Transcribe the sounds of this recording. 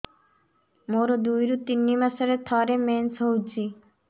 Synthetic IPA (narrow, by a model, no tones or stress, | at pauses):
moɾod̪ujɾut̪inːimasaɾet̪ʰɔɾemensɦowt͡ɕʰi